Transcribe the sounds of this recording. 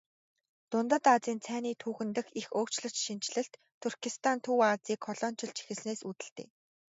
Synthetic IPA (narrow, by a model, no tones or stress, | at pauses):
t̪ʊnt̪ə̆t̪at͡siːnt͡sʰæːniːt̪ʰuːxɘ̆nt̪ɘ̆xixoːkt͡ɕɮə̆t͡ɕʃint͡ɕɮɘ̆ɬt̪ʰːurkʰist̪ʰant̪ʰuːat͡siːkʰχɔɮɔːn̥t͡ɕʰɪ̆ɮt͡ɕʰi̥xɘ̆sneːsut̪ɘ̆ɬt̪ḛː